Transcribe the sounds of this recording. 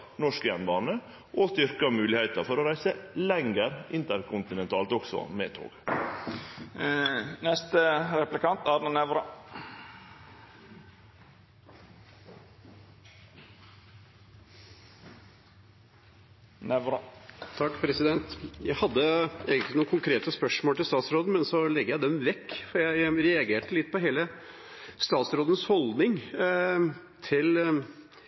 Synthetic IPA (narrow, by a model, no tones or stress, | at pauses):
nɔʂkəjɛnbɑːnə | ʔɔst̪ʏɾkɑmʉːlɪhæɪt̪əɾfɔɾoːɾæɪsəlɛŋəɾɪnt̪əɾkʰʊnt̪ɪnɛnt̪ʰɑːlt̪ɔksɔ̰mḛːt̪ʰo̰ːɡ̥ | nɛst̪əɾɛplɪkɑnt̪æɾnənɛʋɾɑ | nɛʋɾət̪ʰɑkːpʰɾɛsɪd̪ɛnt̪jæɪhɑd̪ːəeːɡənt̪ɪnuːəkʊŋkʰɾeːt̪əspœʂmoːlʈ̪ɪlst̪ɑːt̪sɾoːd̪n̩mɛnsɔlɛɡəjæɪd̪ɛmʋɛkːfɔɾjæɪɾɛɑɡeːʈəlɪt̪ːpɔɦeːlə | st̪ɑːt̪sɾoːd̪ən̩shɔld̪nɪŋ | t̪ʰɪl